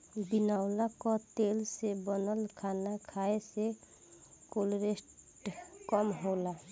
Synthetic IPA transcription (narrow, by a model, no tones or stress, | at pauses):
binaʊlakɔt̪elsebənəlkʰanakʰaese | kolɾesʈ | kɔmɦola